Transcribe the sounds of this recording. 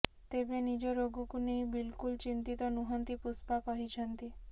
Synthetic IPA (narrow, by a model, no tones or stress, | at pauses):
t̪ebenid͡ʒɔɾoɡɔkunejbilkult͡ʃint̪it̪ɔnuɦɔnt̪ipuspakɔɦit͡ʃʰɔnt̪i